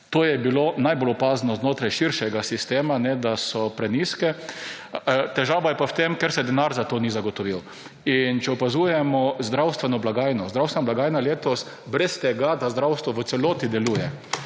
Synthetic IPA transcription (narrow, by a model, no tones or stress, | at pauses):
t̪oːjɛbiloːnajbolɔpaːznɔznoːt̪ɾajʃiɾʃɛɡasist̪eːmanɛd̪asɔpɾɛniskɛ | t̪ɛʒaːʋajɛpawt̪emkɛɾsɛd̪ɛnaɾzat̪oːnizaɡɔt̪ɔʋiw | int͡ʃɛɔpazuːjɛmɔzd̪ɾawst̪ʋɛnɔblaɡajnɔzd̪ɾawst̪ʋɛnɔblaɡaːjnaleːt̪ɔst̪ | bɾɛst̪ɛɡad̪azd̪ɾawst̪ʋɔʋət̪sɛloːt̪id̪ɛluːjɛ